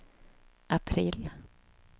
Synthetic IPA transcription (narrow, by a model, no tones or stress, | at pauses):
ʔapʰɾiːl